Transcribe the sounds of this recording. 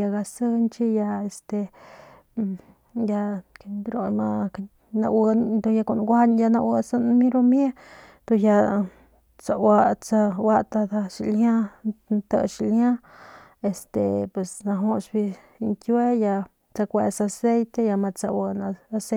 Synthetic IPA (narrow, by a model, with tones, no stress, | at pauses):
a˧ɡa˧sɨ˦nt͡ʃi˦ja˧e˧st̪e˧ | ja˧˨ɾo˧jma˧ | na̰˧wa˧nd̪o˧ja˧ko˨nɡʷa˦nja˧na˧wə˧sa˦nmi˦ɾo˧mje˦ | d̪̥o˧ja˧ | t͡sa˨wa˧t͡sa˧wa˦t̪a˧d̪a˧ʃi˨lja˦nt̪ə̰˧ʃi˨lja˦ | e˨st̪e˨pwe˨sna˧ɦo˧ʃbi˧ | ŋkwe˦ja˧ | t͡sa˧kʷe˧sa˧se˦jt̪e˧ja˧ma˧t͡sa̰˧wə˧na˧a˧se˦